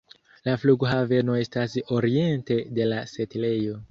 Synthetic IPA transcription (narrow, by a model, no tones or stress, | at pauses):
lafluɡɦave̞no̞e̞staso̞ɾie̞nte̞de̞lase̞tile̞jo̞